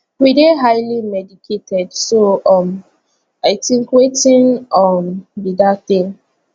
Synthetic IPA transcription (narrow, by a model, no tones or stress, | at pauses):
wideɦajlimɛdikʰetʰɛdsoɔm | aɪtĩŋkwetĩnɔnbidatĩŋ